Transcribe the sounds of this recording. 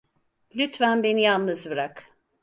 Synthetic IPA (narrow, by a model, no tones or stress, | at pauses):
lʲyt̪vænbe̞nijalˠnɯzbɯɾak